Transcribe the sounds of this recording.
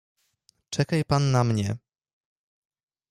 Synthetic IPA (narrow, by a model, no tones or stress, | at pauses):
t͡ʂɛkajpanːamɲɛ